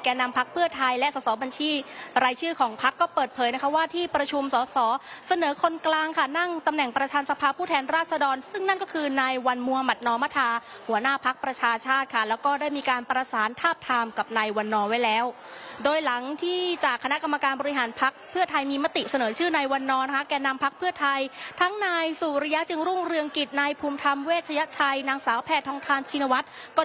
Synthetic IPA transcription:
kɛː˧na˧mpʰa˦˥k̚pʰɯ˥˩ɐt̪ʰa˧jlɛ˦˥ʔsɔː˩˦sɔː˩˦ba˧nt͡ɕʰiː˧˩ɾaː˧jt͡ɕʰɯː˥˩kʰɔː˩˦ŋpʰa˦˥kːɔː˥˩pɤː˨˩t̪̚pʰɤː˩˦jna˦˥kʰa˦˥waː˥˩t̪ʰiː˥˩pɾa˧t͡ɕʰu˧msɔː˩˦sɔː˩˦sa˧nɤː˩˦kʰo˧nklaː˧ŋkʰa˥˩na˥˩ŋt̪a˧mnɛ˨˩ŋpɾa˧t̪ʰaː˧nsa˧pʰaː˧pʰuː˥˩t̪ʰɛː˧nɾaː˥˩t̪̚sa˧dɔː˧nsɯ˥˩ŋna˥˩nkɔː˥˩kʰɯː˧naː˧jwa˧nmu˧ha˧ma˨˩t̪̚nɔː˧˥ma˦˥t̪ʰaː˧ | hu˩˦ɐnaː˥˩pʰa˦˥k̚pɾa˧t͡ɕʰaː˧t͡ɕʰaː˥˩t̪̚kʰa˥˩lɛː˦˥wkɔː˥˩daː˥˩jmiː˧kaː˧npɾa˧saː˩˦nt̪ʰaː˥˩p̚t̪ʰaː˧mka˨˩p̚naː˧jwa˧nːɔː˧wa˦˥jlɛː˦˥w | doː˧jla˩˦ŋt̪ʰiː˥˩t͡ɕaː˨˩kʰːa˧na˦˥ka˧mːa˧kaː˧nbɔː˧ɾi˧ɦaː˩˦npʰa˦˥k̚pʰɯ˥˩ɐt̪ʰa˧jmiː˧ma˦˥t̪i˨˩sa˧nɤː˩˦t͡ɕʰɯː˥˩naː˧jwa˧nːɔː˧na˦˥˩kʰa˥kɛː˧na˧mpʰa˦˥k̚pʰɯ˥˩ɐt̪ʰa˧jt̪ʰa˦˥ŋnaː˧jsu˨˩ɾi˧ja˦˥t͡ɕɯ˧ŋɾu˥˩ŋɾɯ˧əŋki˨˩t̪̚naː˧jpʰuː˧mt̪ʰa˧mweː˥˩t̪̚t͡ɕʰa˧ja˦˥ʔt͡ɕʰa˧jnaː˧ŋsaː˩˦˥wpʰɛː˥˩t̪ʰːɔː˧˥ŋt̪ʰaː˧˩nt͡ɕʰi˧na˧wa˦˥t̪̚ | kɔː˥˩

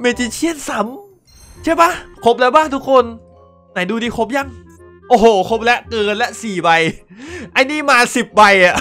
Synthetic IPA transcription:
meː˧˩t͡ɕi˧˩t͡ɕʰi˥˩ənsa˩˦m | t͡ɕʰa˥˩jba˦˥˩kʰo˦˥p̚la˧˦˥baː˥˩ŋt̪ʰu˦˥kʰo˧n | na˨˩˦jduː˧diː˧kʰo˦˥p̬̚ja˧˥˩ŋ | ʔoː˧˩hoː˨˧˩kʰo˦˥p̚lɛ˦˥ʔkɤː˧nlɛ˦˥ʔsiː˨˩wa˧jʔa˧jniː˥˩maː˧si˨˩p̚wa˧jʔa˨˩ʔ

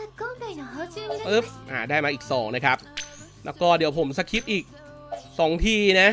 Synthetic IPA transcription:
ʔɯ˦˥p̚ʔaː˧˩daː˥˩jmaː˧ʔiː˨˩k̚sɔː˩˦ŋna˦˥kʰa˦˥p̚ | lɛː˦˥wkɔː˥˩di˨˩˦əwpʰo˩˦msa˧˥kʰi˦˥p̪̚ʔiː˨˩k̚ | sɔː˩˦ŋt̪ʰiː˧na˦˥

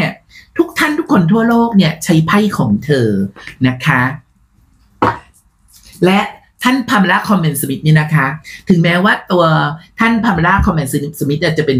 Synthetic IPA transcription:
ɐt̪ʰu˦˥k̚t̪ʰa˥˩nt̪u˦˥kʰːo˧nt̪ʰu˥˩ɐloː˥˩k̚ni˥˩ɐt͡ɕʰa˦˥jpʰa˥˩jkʰɔː˩˦ŋt̪ʰɤː˧na˦˥kʰa˦˥ | lɛ˦˥ʔ | t̪ʰa˥˩npʰa˧m˧ɾa˦˥˩kʰɔ˧mːɛ˨˩nsa˧mi˦t̪̚niː˦˥˩na˦˥kʰa˦˥t̪ʰɯ˨˩˦ŋmɛː˦˥waː˥˩t̪u˧ɐt̪ʰa˥˩npʰa˧m˧ɾaː˦˥˩kʰɔ˧mːɛ˨˩nssa˧mi˦˥t̪̚ʔiː˥˩t͡ɕa˨˩pe˧n

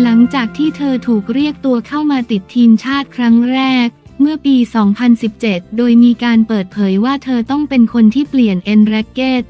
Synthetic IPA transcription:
la˩˦ŋt͡ɕaː˨˩k̚t̪ʰiː˥˩t̪ʰɤː˧t̪ʰuː˨˩k̚ɾi˥˩ək̚t̪u˧ɐkʰa˥˩wmaː˧t̪i˨˩t̪ʰːiː˧mt͡ɕʰaː˥˩t̪̚kʰɾa˦˥ŋɾɛː˥˩k̚ | mɯ˥˩ɐpiː˧sɔː˩˦ŋpʰa˧nsi˨˩p̚t͡ɕe˨˩t̪̚doː˧jmiː˧kaː˧npɤː˨˩t̪̚pʰɤː˩˦jwaː˥˩t̪ʰɤː˧t̪ɔ˥˩ŋpe˧nkʰo˧nt̪ʰiː˥˩pli˨˩ənʔe˧nɾɛ˦˥kːeː˥˩t̪̚

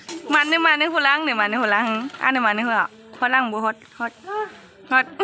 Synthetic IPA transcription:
ma˧˨nːɯ˧ma˧nɯ˧˦hu˧˨la˧˦˨ŋnɯ˧˨ma˧˨nːɯ˧hu˧˨la˧˦˧ʔa̰˧˥˨nɯ˧˨ma˧˨nɯ˧hu˧a˨ | ho˧t̚la˧˨ŋ˧bu˧ɦo˧˦t̪̚ho˧˩t̪̚ | ho˧˥t̪̚

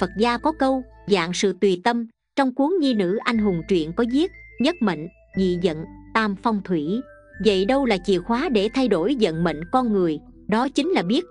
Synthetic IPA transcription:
fə˨˩t̚zaː˧kɔ˨˦kə˧wza̰ː˧˨ŋsɨ̰˧˨t̪wi˨˩t̪ə˧m | t͡ɕɔ˧wŋ͡mku˨˦əŋɲi˧nɨ̰˧˥ʔa˧jŋ̟ɦʊ˨˩ŋ͡mt͡ɕwḭ˧˨ənkɔ˨˦zi˦˥ət̚ɲə˦˥t̚mə̰˧˨ŋ̟ | zḭ˧˨zə̰˧˨nt̪aː˧mfɔ˧wŋ͡mt̪ʰwi˧˩ | və̰˧˨jɗə˧wlaː˨˩t͡ɕḭ˧˨əxwaː˨˦ɗe˧˩t̪ʰa˧jɗo˧˩jzə̰˧˨nmə̰˧˨ŋ̟kɔ˧nŋɨ˨˩əjɗɔ˨˦t͡ɕï˨˦ŋ̟laː˨˩ɓi˦˥ət̚

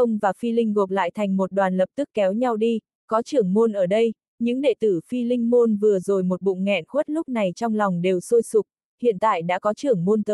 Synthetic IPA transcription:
ʔə˧wŋ͡mvaː˨˩fi˧lï˧ŋ̟ɣo˨˩k̚la̰ː˧˨jt̪ʰa˨˩jŋ̟mo˨˩t̚ɗwaː˨˩nlə˨˩p̚t̪ɨ˦˥kːɛ˨˦wɲa˧wɗi˧ | kɔ˨˦t͡ɕɨ˨˩əŋmo˧nʔəː˧˩ɗə˧j | ɲɨ̰˧˥ŋɗḛ˧˨t̪ɨ˧˩fi˧lï˧ŋ̟mo˧nvɨ˨˩əzo˨˩jmo˨˩t̚ɓṵ˧˨ŋ͡mŋɛ̰˧˨nxwu˦˥t̚lʊ˦˥k͡p̚na˨˩jt͡ɕɔ˧wŋ͡mlɔ˨˩wŋ͡mɗe˨˩wso˧jsʊ˨˩k͡p̚ | hḭ˧˨ənt̪a̰ː˧˨jɗa̰ː˧˥kɔ˨˦t͡ɕɨ˨˩əŋmo˧nt̪əː˨˦

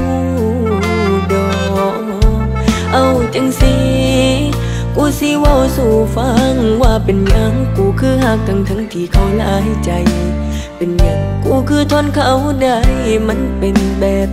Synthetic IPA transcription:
u˧ | dɔː˧ | ʔa˧wt͡ɕa˧˥ŋsi˧ | kuː˧˩si˧˥wa˧˩˨wsuː˧˩fa˧ŋwaː˧˩pe˨nɲa˧ŋkuː˨˩kʰɯː˧˥ɦaː˧˩k̚t̪a˧ŋt̪ʰa˧˥ŋt̪ʰiː˨˩kʰa˧˩wlaː˧ɦa˧˩jt͡ɕa˨j | pe˨nɲa˨˧˩ŋkuː˧˩kʰɯː˧˩t̪ʰɔː˧˥nkʰa˧˩wda˧˩jma˧˥npe˨˧nbɛː˨˩p̚

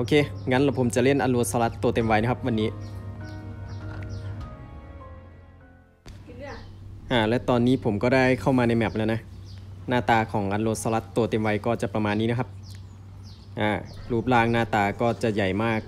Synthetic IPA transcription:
ʔoː˧kʰeː˧˩ŋa˧˦˥nlaː˧˩wpʰo˩˦mt͡ɕa˨˩ʔle˥˩nʔa˧nloː˧t̪̚sa˧la˦˥t̪ːoː˧t̪e˧mwa˧jna˦˥kʰa˦˥p̚wa˧nːiː˦˥ | ʔaː˧˩lɛ˦˥t̪ɔː˧nːiː˦˥pʰo˨˩˦mkɔː˥˩daː˥˩jkʰa˥˩wmaː˧na˧jmɛ˨˩p̚lɛ˦˥˩na˦˥naː˥˩t̪aː˧kʰɔː˩˦ŋʔa˧nloː˧t̪̚sa˧la˦˥t̪ːoː˧t̪e˧mwa˧jkɔː˥˩t͡ɕa˨˩pɾa˧maː˧nːiː˦˥na˦˥kʰa˦˥p̚ | ʔaː˧˩luː˦˥˩p̚laː˧ŋnaː˥˩t̪aː˧kɔː˥˩t͡ɕa˨˩ja˨˩jmaː˥˩k̚

